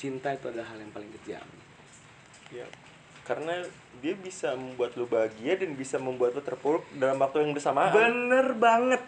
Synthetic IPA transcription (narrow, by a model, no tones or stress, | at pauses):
t͡ʃint̪ait̪uadalahɦaljaŋpalɪŋkət̪ia̰ʔa̰mni | ja̰ | kaɾəna | diabisaməmbuat̪̚lubaɡiadanbisaməmbuat̪lut̪ərpulk̚dalamwak̚t̪ujaŋbərsamabənərbaŋət̪̚